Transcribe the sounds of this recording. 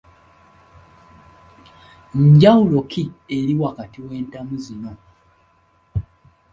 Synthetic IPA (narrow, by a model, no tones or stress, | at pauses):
ɲɟawulo̞kʰieɾiwakatiwe̞ːntamuzino̞